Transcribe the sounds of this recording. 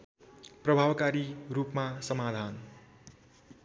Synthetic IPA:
prʌbʱabkaɾirupmasʌmad̪ʱan

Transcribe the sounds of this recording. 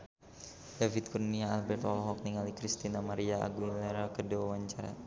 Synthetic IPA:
davit̪̚kurniaalbɛrt̪ɔlɔɦɔk̚niŋalikɾist̪inamaɾiaa̰ɡuilɛɾakədawawaɲt͡ʃaɾa̰

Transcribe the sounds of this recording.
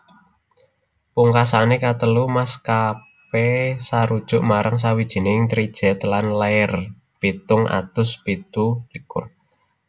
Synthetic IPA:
puŋkasanekat̪əlumaska | pesaɾud̥ʒ̥ʊ̤ʔmaɾʔaŋs̬awid̥ʒ̥i̤nɪɪŋt̪ɾid̥ʒ̥ɛ̤t̪lanlaɛr | pit̪ʊŋʔa̰t̪ʊspit̪ulikʊ̰r

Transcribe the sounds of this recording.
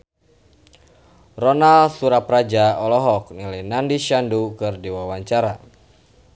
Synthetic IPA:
rɔnalsuɾaprad͡ʒaɔlɔɦɔk̚nilanandiʃandukɨrdiwawaɲt͡ʃaɾa

